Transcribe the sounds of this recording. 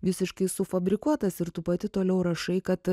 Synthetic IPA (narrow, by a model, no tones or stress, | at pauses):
ʋʲɪsʲɪʃkɐɪsʊfɐbʲɾʲɪkuɔt̪ɐsɪɾt̪uːpɐt̪ʲɪt̪oːlʲɛʊɾɐʃɐɪkɐt̪